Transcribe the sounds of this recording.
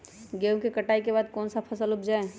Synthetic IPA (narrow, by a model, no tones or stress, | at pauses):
ɡeũkekɐʈaːikebaːd̪̚kɔːnsapʰɐsəlʊpd͡ʒaːe